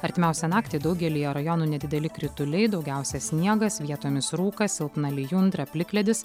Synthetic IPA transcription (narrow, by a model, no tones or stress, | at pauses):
ɐɾʲt̪ʲɪmʲæˑʊsʲɛnɑːkt̪ʲeːd̪ɒʊɡʲɛlʲɪːjɛɾɐjɔnuːnʲɛd̪ʲɪd̪ʲɛlʲɪkɾʲɪt̪ʊlʲɛɪd̪ɒʊɡʲæˑʊsʲɛsʲnʲiɛɡɐsʋʲiɛt̪oːmʲɪsɾuːkɐsʲɪlˠpnɐlʲɪjʊnd̪ɾɐpʲlʲɪklʲɛd̪ʲɪs